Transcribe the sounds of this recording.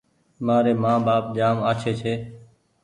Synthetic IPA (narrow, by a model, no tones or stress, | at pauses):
maːɾeːmãːbaːp̚d͡ʒaːmaːt͡ʃʰeːt͡ʃʰeː